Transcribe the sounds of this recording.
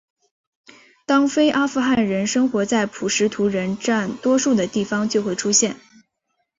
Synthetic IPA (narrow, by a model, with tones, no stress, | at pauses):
t̪ɑ˥ŋfe˥ɪʔa˥fu˥˧xa˥˩nɻə˧˥nʂɤ˥ŋxwɔ˧˥t͡sa˥˩ɪpʰu˨˩ʂɻ̩˧˥t̪ʰu˧˥ɻə˧˥nʈ͡ʂa˥˩nt̪wɔ˥ʂu˥˩d̪ə˩t̪i˥˩fɑ˥ŋt͡ɕjo˥˧ʊxwe˥˩ɪʈ͡ʂʰu˥ɕjɛ˥˩n